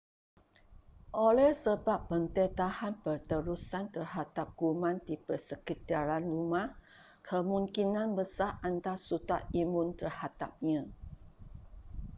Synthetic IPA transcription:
ʔolɛhsəbapːənt̪ɛt̪ahanpərt̪əɾusant̪ərhad̪ap̚ɡ̥umãndipərsəkit̪aɾanrumah | kʰəmũŋkinãnbəsaʔant̪asut̪a̰ʔimũnt̪ərhad̪ap̚ɲã

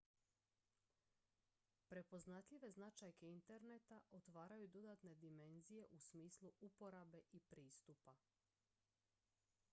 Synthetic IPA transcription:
pɾe̞po̞znat̪ʎʲiʋe̞znat͡ʃajkeint̪e̞ɾnet̪aʔo̞t̪ʋaːɾajud̪o̞d̪at̪ne̞d̪ime̞nzije̞ʔusmiːslˠuʔupo̞ɾabe̞ʔipɾiːst̪upa

